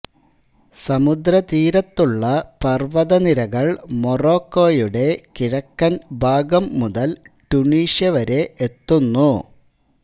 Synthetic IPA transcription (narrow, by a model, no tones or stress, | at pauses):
sɐmud̪ɾɐt̪iːɾɐt̪ːuɭːɐpɐrʋɐðɐniɾɐɣɐɭmoro̞ːkːo̞ːjuɽe̞kiɾɐkːɐnbʱaːɡɐmːuðɐl | ʈuɳiːɕjɐʋɐɾe̞ʔet̪ːunːu